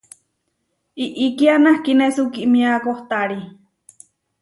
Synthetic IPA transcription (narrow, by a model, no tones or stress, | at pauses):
iʔikianahkinesukiʔmiakoht̪aɾi